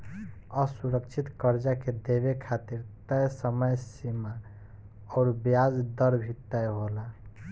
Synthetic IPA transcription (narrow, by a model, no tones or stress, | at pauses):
əsuɾəkt͡ʃʰit̪kəɾd͡ʒaked̪eβekʰat̪iɾt̪əjsəməjsima | ɔɾbjad͡ʒd̪əɾbʱit̪ːəjɦola